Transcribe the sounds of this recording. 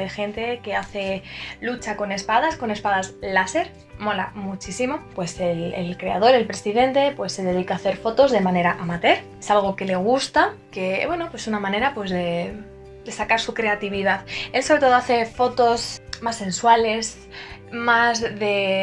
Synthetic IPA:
e̞xe̞nt̪e̞ke̞aθe̞lut͡ʃako̞ne̞spaðasko̞ne̞spaðaslase̞ɾ | mo̞lamut͡ʃisimo̞pwe̞selelkɾe̞að̞o̞ɾe̞lpɾe̞siðe̞nt̪e̞pwe̞sːe̞ðe̞ð̞ikaːθe̞ɾfo̞t̪o̞zðe̞mãne̞ɾaʔamat̪e̞ɾ | esalɣ̞o̞ke̞le̞ɣ̞ust̪ake̞βwe̞no̞pwesunamãne̞ɾapwe̞zðe̞ | d̪e̞sakaɾsukɾe̞at̪iβiðaðelsoɾe̞t̪o̞ðo̞aθe̞fo̞t̪o̞smasːe̞nswale̞s | mazðe̞

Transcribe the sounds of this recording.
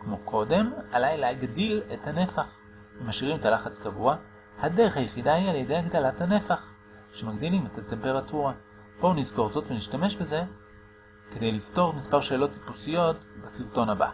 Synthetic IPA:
kmo̞kʰo̞de̞malajlehaɡdile̞thane̞faχ | vemaʃiʁimetalaχat͡skavua | hade̞ʁeχhajeχidahialjedejhaɡdalathane̞faχ | ʃemaɡd̪ilimetate̞mpe̞ʁatuʁa | bo̞nizko̞ʁzo̞tveniʃtame̞ʃbe̞ze̞ | kede̞jlifto̞ʁmispaʁʃe̞ːlo̞tːi̥pusijo̞tbesiʁto̞nhaba̰

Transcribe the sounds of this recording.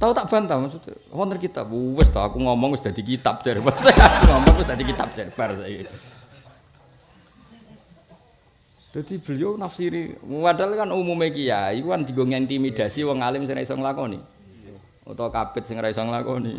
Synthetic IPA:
t̪aut̪aʔb̥a̤nt̪amasut̪ | wɔnənkit̪a̰puwɪst̪ɔa̰kuŋɔmɔŋwɪsd̥̪a̤d̪̥ikit̪ap̚d͡ʒ̥aɾipat̪ekauŋɔmɔŋwɪsd̪ad̪ikit̪ap̚d͡ʒ̥aɾib̥arsake | d̪̥a̤d̪̥i̤b̥əlijonafsiɾiwaʈalkanumumekijaikukand̪iɡoŋiant̪imid̪̥a̤siwɔŋalɪmsɪŋɾaisɔŋlakɔnḭ | ṵt̪ɔkapɪt̪̚sɪŋɾaisɔŋlakɔnḭ

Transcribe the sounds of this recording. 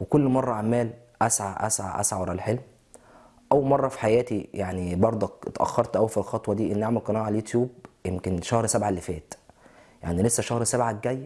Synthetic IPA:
wekolːmɑrˤːɑʕamæːl | ʔæsʕaʔæ̰sʕa̰ʔæ̰sʕawɑɾˤælħelm | ʔæwmɑrˤːɑfi̥ħajæːt̪ijaʕnibɑɾˤd̪ˤot̪ʔæ̰xːɑɾˤt̪ʔæwfilxɑt̪ˤwɑd̪iːʔenːʔaʕmælkqɑnɑʕalæljot̪juːb̚jemkenʃɑhɾsæbʕalːefæːt̪ja̰ʕnilesːæʃæhɾsæbʕaɡæjː

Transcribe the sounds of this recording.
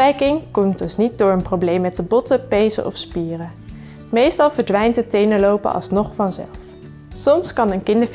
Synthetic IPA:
ɛjkɪŋkɔmt̚dɵsnit̚dʊːɹənprowblejmːɛtəbɔtəpejzə̰ʔɔ̰fspiːrə | mejstɑlˠvəɹdʋɛjntɦətejnəlowpə̰ʔɑ̰lˠsnɔχfɑnzɛ̰lˠf | sɔmskɑnənkɪndəɹv

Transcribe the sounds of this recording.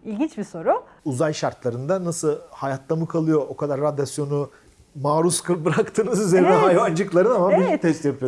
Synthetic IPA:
ilʲɟint͡ʃbiso̞ɾʊuzajʃaɾt̪lˠaɾɯnd̪anasɯlˠhajat̪lˠamɯkʰalˠɯjo̞ʔokʰad̪aɾːad̪asjo̞nu | maːɾuskbɾakt̪ʰɯːnɯzyzeɾinɛɦajvand͡ʒɯklˠaɾɯnamabiɛt̪ʰɛst̪japʰɯjo

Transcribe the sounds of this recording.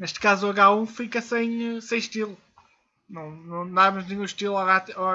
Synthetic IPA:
neʃt̪̚kazuɐɣaũfikɐsẽj̃sẽj̃ʃt̪ilˠu | nɐ̃w̃nɐ̃w̃nɐ̃w̃amɐʒnĩɲũʃt̪ilˠɔɣat̪ɔ

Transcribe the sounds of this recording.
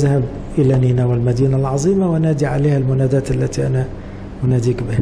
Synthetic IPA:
ðhab | ʔɪlaniːnawɪlmad̪iːnalʕɑzˤiːmawɪnaːd̪iʕa̰leːhalmʊnaːd̪aːt̪alːat̪iʔana | mʊnaːd̪iːkbɪh

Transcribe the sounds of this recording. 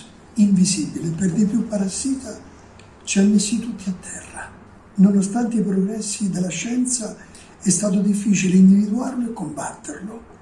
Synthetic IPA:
iɱvizibileperd̪ip̬jupːaɾasiːt̪a | t͡ʃianːesit̪ut̪ːiat̪ʰːɛrːa | nonost̪ant̪eipɾoɡɾɛsːid̪elːaʃːɛnt̪sa | ɛst̪aːt̪od̪ifːiːt͡ʃileind̪ivid̪uarloekːombat̪ːerlo

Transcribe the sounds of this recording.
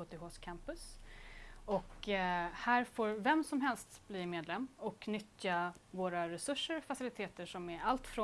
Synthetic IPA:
ɔt̪ɪhoːskʰæmpɵs | ɔk | hæːɾfoːɾvɛmsɔmɦɛlst̪bliːmeːd̪lɛmːɔkʰnʏt̪javoːɾaɾɛsɵʂːəɾfasɪlɪt̪ʰeːt̪əʂɔmæɾalt̪fɾo

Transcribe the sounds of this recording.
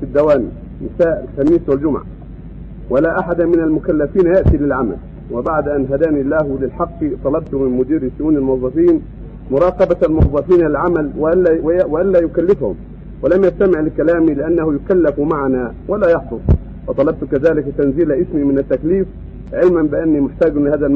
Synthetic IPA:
fid̪ːawaːnḭ | nɪsaːʔalxamiːswald͡ʒʊmʕa̰ | wɪlaːʔaħad̪amɪnalmʊkalːafiːnjaʔt̪iːlɪlʕama̰l | wɪbaʕd̪ʔanɦad̪aːnilːaːɦʊlɪlħɑqːt̪ˤɑlɑbt̪ʊmɪnmʊd̪iːɾiʃʊʔuːnalmʊɑðˤːɑfiːn | mʊɾˤɑːqɑbalmʊɑðˤːɑfiːnlʕamalwwɪʔalːaːjʊkalːɪfhʊ̰m | walamjast̪amɪʕlɪkalaːmilɪʔanːahʊjʊkalːɪfmaʕanaː | walaːjɑħfˤʊsˤ | wɑt̪ˤɑlɑb̚t̪kaðaːlɪkt̪anziːlaʔɪsmiːmɪnat̪ːakliːf | ʕɪlmambɪʔanːiːmʊħt̪aːɡnlɪhaːðal

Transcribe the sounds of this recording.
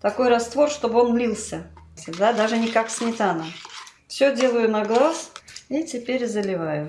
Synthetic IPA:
t̪ɐko̞jɾɐst̪vo̞rʂt̪o̞bɨo̞nlʲilˠsʲət̪ʲɪd̪ad̪aʐɨnʲɪkaksʲmʲɪt̪anə | fsʲɵdʲe̞lˠəjʊnɐɡlˠasitʲɪpʲeɾʲzəlʲɪvajʊ

